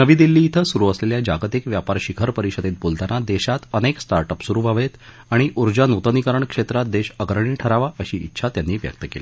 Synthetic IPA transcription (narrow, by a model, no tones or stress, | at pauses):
nəʋiːd̪ilːiːt̪ʰəsuɾuəsleljad͡ʑaɡt̪ikʋjapaɾɕikʰəɾpəɾiɕəd̪et̪̚bolt̪anad̪eɕat̪əneksʈaɾʈəpsuɾuːʋʱaʋet̪ | aɽ̃iʔuɾd͡ʑanut̪ənikəɾəɳkʂet̪ɾat̪̚d̪eɕəɡɾəɳ̃iːʈʰəɾaʋaʔəɕiːḭtːɕʰat̪janːiːʋjə̰k̚t̪əkeli